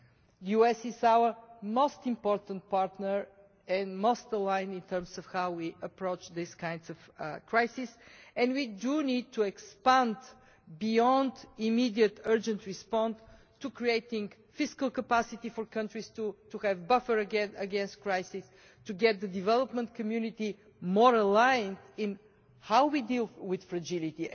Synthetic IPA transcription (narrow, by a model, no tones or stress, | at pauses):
ðəjuɛsɪzaʊə˞moʊst̪ɪ̃mpɔɹt̪ə̃nt̚paɹt̪nəɹ | ɛ̃nmoʊst̪əlãɪ̃nĩnt̪ɜ̃˞msɔfhawwiʔəpɹoʊt͡ʃðiskãɪ̃ndsɔvkɹaɪsisɛ̃nwidunid̪̚t̪ʰːuɛkspæ̃nd | biɔ̃nd̪imid̪iət̪ɜ˞d͡ʒə̃nt̪ɹispɔ̃ns | tukɹieɪt̪ɪ̃ŋɡ | fɪskəlˠkəpæsit̪ifɔɹkʰʌ̃ntɹist̪ut̪uhɛvbʌfə˞ɡɛəɡɛ̃nst̚kɹaɪsis | t̪uɡɛt̪̚d̪əd̪ivɛlˠəpmə̃nt̪kʰəmjʉnit̪i | mɔɹəlaɪə̃nt̪ɪ̃n | haʊwid̪ilˠwɪð̥fɾɐd͡ʒɪlit̪i